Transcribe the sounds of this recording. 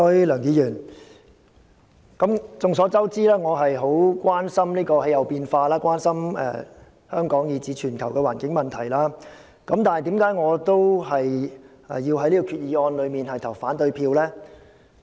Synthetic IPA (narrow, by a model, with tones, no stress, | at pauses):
ɔ˥jlœː˨˩ŋjiː˨˧jyː˨˩n | kɐ˨˥mt͡sʊ˨ŋs̬ɔː˨˥t͡sɐ˥wt͡siː˥laː˥ŋɔː˨˧ɦɐ˨jɦo˨˥wkwaː˥nsɐ˥mliː˥kɔː˧he˨˥jɐ˨wpiː˧nfaː˧laː˥kwʷaː˥nsɐ˥mɛ̰˨˧˩ | hœː˥ŋkɔː˨˥ŋjiː˨˧t͡siː˨˥t͡ʃʰyː˨˩nkʰɐ˨˩wkɛ˧waː˨˩nkɪ˨˥ŋmɐ˨nt̪ʰɐ˨˩jlaː˥ | kɐ˨˧˥mt̪aː˨nhɐ˨jt̪i˨˥mkaː˨˥jŋɔː˨˧t̪o˥whɐ˨jʔɛ̰˨jiː˧wɦɐ˨˥jliː˥kɔ˧kʰyː˨˧t̚jiː˨˧ɔː˧nlɵ˨˧ɥmiː˨˩nhɐ˨jt̪ʰɐ˨˩wfaː˨˥nt̪ɵ˧ɥpʰiː˧wlɛː˥